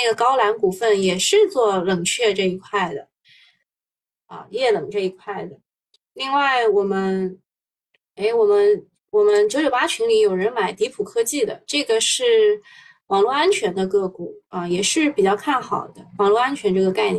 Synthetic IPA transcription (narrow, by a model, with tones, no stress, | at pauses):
na˥˩ɡə˩kɑ˥ʊla˧˥nku˨˩fə˥˩njɛ˨˩ʂɻ̩˥˧t͡swɔ˥˩lɤ˨˩ŋt͡ɕʰɥɛ˥˧ʈ͡ʂɤ˥˩i˧˥kʰwa˥˩ɪd̪ə˩ | ɐ̰˧jɛ˥˩lɤ˨˩ŋʈ͡ʂɤ˥˩i˧˥kʰwa˥˩ɪd̪ə˩ | li˥˧ŋwa˥˩ɪwɔ˨˩mə˦˥n | e˥ɪwɔ˨˩mə˦n | wɔ˨˩mə˦nt͡ɕjo˧˥ʊt͡ɕjo˨˩ʊa˥t͡ɕʰy˧˥ŋli˧˥jo˨˩ʊɻə˧˥nma˨˩ɪt̪i˧˥pʰu˨˩kʰɤ˥t͡ɕi˥˩d̪ə̰˩ʈ͡ʂɤ˥˩ɡə˩ʂɻ̩˥˩ | wɑ˨˩ŋlwɔ˥˧a˥nt͡ɕʰɥɛ˧˥nd̪ə˧kɤ˥˩ku˨˩˦ɐ˧jɛ˨˩ʂɻ̩˥˩pi˨˩t͡ɕjɑ˥˧ʊkʰa˥˩nxɑ˨˩ʊd̪ə˦wɑ˨˩ŋlwɔ˥˧a˥nt͡ɕʰɥɛ˧˥nʈ͡ʂɤ˥˩ɡə˩ka˥˩ɪn˥